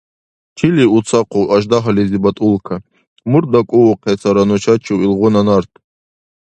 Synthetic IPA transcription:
tʰiliut͡sʰaqʰʷowʔaʒd̪aɦalezibat̪ʼulkʰa | murd̪akʷʼʊwqʰet͡sʰaɾanut͡ʃʰat͡ʃʰiwilʁʷʊnanart̪ʰʼ

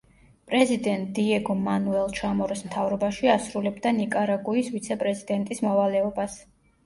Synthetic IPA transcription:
pʼɾɛzid̪ɛnt̪̚ʼd̪iɛɡɔmanuɛlˠt͡ʃʰamɔɾɛsmt̪ʰavɾɔbaʃiasɾulɛbd̪anikʼaɾaɡuisvit̪sʰɛpʼɾɛzid̪ɛnt̪ʼismɔvalɛɔbas

